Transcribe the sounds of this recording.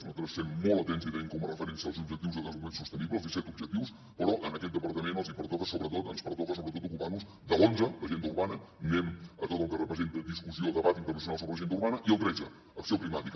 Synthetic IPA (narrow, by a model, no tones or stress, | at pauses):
zmənt̪ɾəssemmɔlˠt̪ət̪ɛnziβɛŋkɔmərəfəɾɛnsiəəlˠzubʒəkt̪iwzəɣənzumẽnsust̪əniβləzisɛt̪ubʒəkt̪iws | pəɾɔʔənəkɛt̪d̪əpəɾt̪əmenəlˠzipəɾt̪ɔkəsoβɾət̪ot̪ənspəɾt̪ɔkəs̬oβɾət̪ot̪ukuparnuz | d̪əlonzələʒend̪uɾβanə | memət̪ot̪əlˠkərəpɾəzent̪əðiskusioːlˠd̪əβat̪inərnəs̬unalˠs̬oβɾələʒend̪əuɾβanəʔiəlˠt̪ɾɛd͡zəː | ksioplimat̪ik